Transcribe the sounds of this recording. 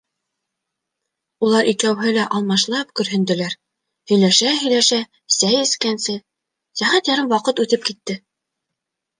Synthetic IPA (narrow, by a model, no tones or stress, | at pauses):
ulˠɑɾʔikæwɦɘlæʔɑlˠmɑʃlˠɑp̚kɵ̆ɾɦɘ̆nd̪ɘ̆læɾ | hɵ̆jlæʃæɦɵ̆jlæʃæ | sæjɘ̆skænsɘ | sæɦæt̪jɑɾɤɴwɑqɤt̪ʉθɘp̚kit̪ːɘ